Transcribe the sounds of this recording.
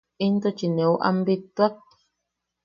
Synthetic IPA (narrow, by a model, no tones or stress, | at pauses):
int̪ot͡ʃinẽuʔa̰mbit̪ak̚